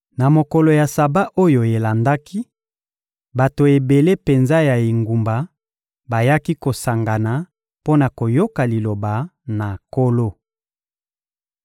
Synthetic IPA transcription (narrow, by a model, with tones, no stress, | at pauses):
na˨mo˨kɔ˨lo˨ja˨sa˨ba˦ʔo˦jo˨e˨la˨nda˦ki˦ | ba˨to˨e˨be˨le˦pe˨nza˦ja˨i˨ŋɡu˨mba˨ | ba˨ja˦ki˦ko˨sa˨ŋɡa˨na˨ | po˦na˨ko˨jo˦ka˨li˨lo˨ba˨na˨ko˦lo˦